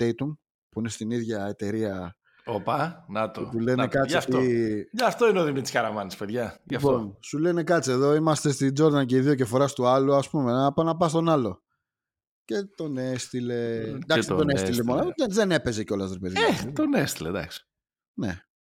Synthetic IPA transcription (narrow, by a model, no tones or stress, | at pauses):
t̪ejt̪uŋ | puinest̪iniðʝɐet̪e̞ɾiɐ | opɐnɐt̪oet̪ule̞nekɐɐfʝɐft̪o̞ineoðimit̪i̥skɐɾɐmɐnispeðʝɐʝɐfponsule̞ne̞kɐt͡sie̞ðo̞imɐst̪est̪id͡zo̞ɾðɐnce̞iðio̞cefo̞ɾɐst̪uɐluɐspume̞nɐpɐnɐpɐst̪o̞nɐlo̞ | ce̞t̪o̞nest̪ile̞d̪ɐksit̪onest̪ilemoneðene̞pe̞zeceo̞lɐst̪ɾpeðʝet̪onest̪iled̪ɐ̰ksi̥ | nḛ